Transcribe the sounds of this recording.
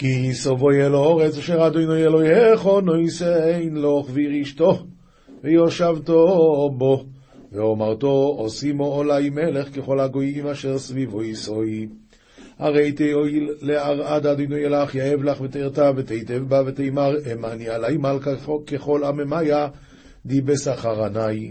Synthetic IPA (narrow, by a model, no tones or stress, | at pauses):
kisovojelooʁet͡saʃeʁad̪ojnojelojheχonojseejnloχveiʁiʃt̪o | vejoʃavt̪obo | veomaʁt̪oosimoolajmeleχkeχo̞lhaɡojimaʃeʁsvivojsoj | ha̰ʁejt̪eojlːeaʁad̪ad̪ojnojelaχjaevlaχvet̪eiʁt̪avet̪ejt̪evbavet̪ejmaʁemanialajmalkakeχo̞lamemaja | d̪ibesaχaʁanaj